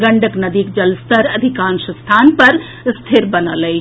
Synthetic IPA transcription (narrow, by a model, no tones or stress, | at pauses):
ɡəɳɖəknɐd̪ikd͡ʒɐlst̪əɾɐd̪ʱikaːnsəst̪ʰanpɐɾ | st̪ʰeɾbənələj